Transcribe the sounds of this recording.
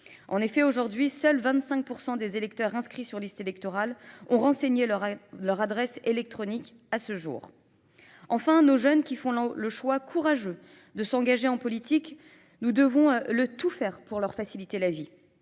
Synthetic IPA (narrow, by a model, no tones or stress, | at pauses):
ʔɑ̃nefɛoʒuʁd̪ɥisœlvɛ̃t̪sɛ̃k̚puʁsɑ̃d̪ezelɛkt̪œʁɛ̃skχisyʁlist̪elɛk̚t̪ɔʁalɔ̃ʁɑ̃seɲelʁlœʁad̪ʁɛselɛk̚t̪χɔnik | asəʒṵːʁ | ɑ̃fɛ̃noʒœnkʲifɔ̃ləʃwakʰuʁaʒø | d̪əsɑ̃ɡaʒeɑ̃pɔlit̪ik | nud̪əvɔ̃lət̪ufɛːʁpuʁlœʁfasilit̪elavi